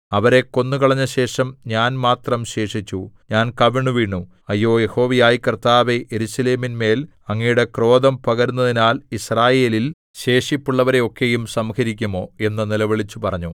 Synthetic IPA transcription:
ɐʋɐɾe̞kːo̞nːukɐɭɐɲːɐɕe̞ːʂɐmɲaːnmaːt̪rɐmɕe̞ːʂit͡ɕːuɲaːnkɐʋiɳːuʋiːɳːu | ɐjːo̞ːjeho̞ːʋɐjaːjikɐrt̪aːʋeʔeɾusɐleːminme̞ːl | ɐŋːijuɽe̞kro̞ːd̪ɐmpɐɣɐɾunːɐðinaːlisraːjeːlil | ɕe̞ːʂipːuɭːɐʋɐɾe̞o̞kːe̞jumsɐmkɐɾikʲːumo̞ːe̞nːɨnilɐʋeɭit͡ɕːupɐrɐɲːu

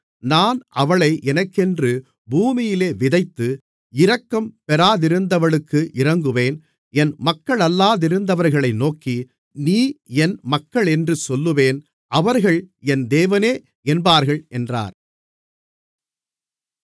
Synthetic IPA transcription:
naːnʔɐʋɐɭɐɪʔɛnɐkːɛndrɯ | buːmɪjɪleːʋɪðɐɪt̪ːɯ | ɪɾɐkːɐmpɛɾaːðɪɾɯnd̪ɐʋɐɭɯkːɯʔɪɾɐŋɡɯʋeːn | ɛnmɐkːɐɭɐlːaːðɪɾɯnd̪ɐʋɐɾɣɐɭɐɪnoːki | niːɛnmɐkːɐɭɛndrɯsɔlːɯʋeːn | ʔɐʋɐɾɣɐɭɛnd̪eːʋɐneː | ɛnbaːɾɣɐɭʔɛndra̰ːɾ

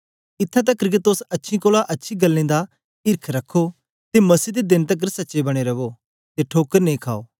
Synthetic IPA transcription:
ɪt̪ʰːãt̪̬ɐkːəɾɡet̪osɐtːʃʰĩkoːlaʔɐtːʃʰiɡɐlːĩd̪a | ɪɾkʰɾɐkʰːo | t̪emɐsiːd̪ed̪ɪnt̪ɐk̬ːəɾsɐtːʃebɐɽ̃eɾɐbo | t̪eʈʰoːkəɾnẽĩkʰaːoː

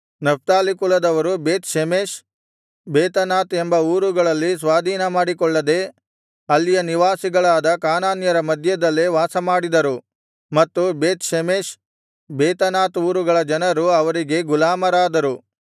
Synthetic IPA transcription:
nɐp̚t̪aːlikulɐd̪ɐʋɐɾubeːt̪ʃemeːʃ | beːt̪ɐnaːt̪embɐuːɾuɡɐɭɐlːis̬ʋaːd̪ʱiːnɐmaːɽikɔɭːɐd̪e̞ | ɐlːijɐniʋaːsiɡɐɭaːd̪ɐkaːnaːnjɐɾɐmɐd̪ʱjɐd̪ɐlːeʋaːsɐmaːɽid̪ɐɾu | mɐt̪ːubeːt̪ʃemeːʃ | beːt̪ɐnaːt̪uːɾuɡɐɭɐd͡ʒɐnɐɾuɐʋɐɾiɡe̞ɡulaːmɐɾaːd̪ɐɾu

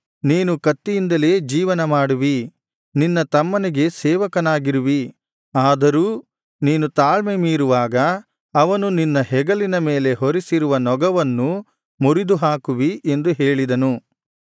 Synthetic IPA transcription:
niːnukɐt̪ːijind̪ɐle̞ːd͡ʒiːʋɐnɐmaːɽuʋi | ninːɐt̪ɐmːɐniɡe̞sɛːʋɐkɐnaːɡiɾuʋi | aːd̪ɐɾuː | niːnut̪aːɭmemiːɾuʋaːɡɐː | ʋɐnuninːɐɦɛɡɐlinɐme̞ːle̞ɦoɾisiɾuʋɐnɔɡɐʋɐnːu | muɾid̪uɦaːkuʋiʔe̞nd̪uɦeːɭid̪ɐnu

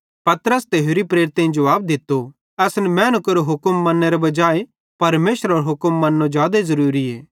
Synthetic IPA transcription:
pɐt̪ɾəst̪eːɦoɾipɾeːɾt̪ẽĩd͡ʒɐʋaːb̚d̪ɪt̪ːo | ɛːsnɛmɛ̃ːnəkɐɾoɦʊkəmːɐnːeɾebɐd͡ʒaːe | pɐɾmeːʃəɾoːɾɦʊkəmːɐnːod͡ʒjaːd̪ezɐɾuːɾiɛː

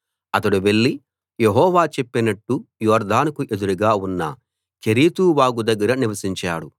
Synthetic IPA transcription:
ɐt̪ɐɽuʋe̞ɭːi | jeɦɔːʋaːt͡ʃe̞pːinɐʈːujɔːɾd̪ʱaːnkuʔe̞d̪uɾuɡaːunːɐ̰ | keɾiːt̪uʋaːɡud̪ɐɡːɐɾɐniʋɐsiɲt͡ʃaːɽu

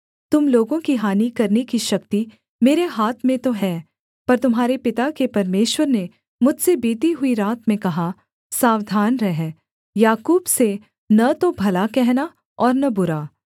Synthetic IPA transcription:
t̪ʊmloːɡõkiɦaːnikɐɾnekiʃɐkt̪i | meːɾeɦaːt̪ʰmẽt̪oɦɛː | pɐɾt̪ʊmɦaːɾepɪt̪akepɐɾmeːʃwəɾne | mʊd͡ʒʱsebiːt̪iɦʊiɾaːt̪mẽkɐɦa | saːwd̪ʱaːnɾɛɦɛ | jaːkuːbse | nɐt̪obʱɐlakɛɦna | ɔːɾnɐbʊɾaː

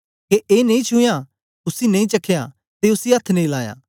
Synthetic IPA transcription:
keeːnẽĩt͡ʃʰʊja | ʊsinẽĩt͡ʃɐkʰːja | t̪eʊsiɐt̪ʰːnẽĩlaːja̰ː

